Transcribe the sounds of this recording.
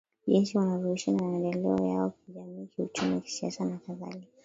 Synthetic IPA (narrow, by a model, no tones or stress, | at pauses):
ʄinsiwanaɾuiʃanamaɛndɛlɛɔjaɔkiʄamiːkiut͡ʃumiwaki̥sia̰sanakaða̰lia